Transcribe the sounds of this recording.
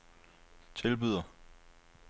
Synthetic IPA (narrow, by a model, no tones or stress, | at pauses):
t͡sʰelb̥yð̰ˠɐ